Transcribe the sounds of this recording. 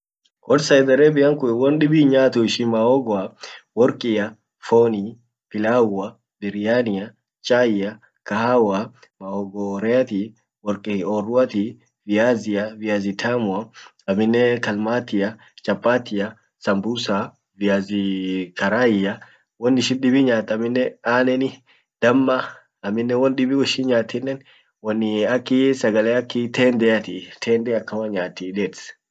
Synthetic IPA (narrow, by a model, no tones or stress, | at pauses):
kɔdsajd̪ɛɾɛbiaŋkuɛwɔnɗibiɲaːt̪uiʃimaɔɡɔawɔɾkʼija | fɔni | pilaa | biɾijania | t͡ʃʼaja | kahawa | maɔɡɔɾɛat̪i | wɔɾkʼiɔɾuat̪i | viaziaviazit̪ʰamua | aminɛkɐlmaːt̪ːɪjɐ | t͡ʃʼɐpʼːaːt̪ːɪjɐ | sɐmbusa | vɪjaːzɪkɐɾaːjɪjɐ | wɔnːɪʃɪnɗɪbɪɲaːt̪ːɐmːɪnːɛaːnɛnɪ | d̪̥ɐmːɐ | ɐmːɪnːɛwɔnɗɪbiwɔʃɪnɲaːt̪ːɪnːɛn | wɔnːɪɐkːɪsɐɡɐleːɐkːɪt̪eːnd̪ɛjɐt̪it̪ʰeːnd̪ɛɐkːɐmɐɲaːt̪ːiᶑɛt̪s